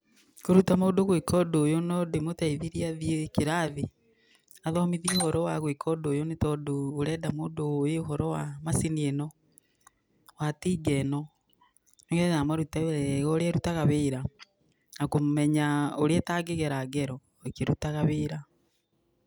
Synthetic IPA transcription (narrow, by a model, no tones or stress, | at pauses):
koɾutamoːdoɣwekʰɔdoːjonɔdemotaiðiɾiaðjekeɾaði | aðɔmiðiohɔɾɔwaɣwekʰɔdoːjonetɔdoːɾɛːdamoːdojeoɦɔɾɔwamasinienɔ | watiːɡɛnɔ | noŋɡɛamwaɾutaɣɔɾeɛɾutaɣaβeːɾa | nakomɛɲaoɾeɛtaɡeɣeɾaɡɛɾɔ | ekeɾutaɣaβeːɾa